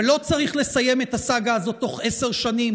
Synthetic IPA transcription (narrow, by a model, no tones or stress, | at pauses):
lo̞t͡saʁiχle̞saje̞met̪hasaɡaːzo̞t̪ːo̞χe̞seʁʃanim